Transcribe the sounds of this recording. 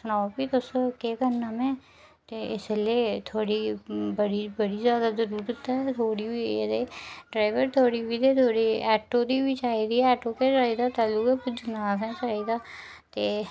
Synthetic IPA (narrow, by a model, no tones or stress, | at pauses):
sʊnaːopiːt̪ʊskeːkəɾnaːmɛ̃ː | t̪eːɪslieːt̪ʰoːɽiːbəɽiːbəɽiːzjaːd̪aːzəɾuːɾd̪ɪt̪ːaɦɛt̪ʰoːɽiːbiːed̪eːɖɾaːɪʋəɾt̪ʰoːɽiːbiːd̪eːt̪ʰoːɽiɛːʈoːd̪iːbit͡ʃaːiːd̪iːɛːʈoːket͡ʃaːiːd̪aːt̪aːluːkeːpʊd͡ʒɡnaːsɛ̃ːt͡ʃaːid̪aː | t̪eː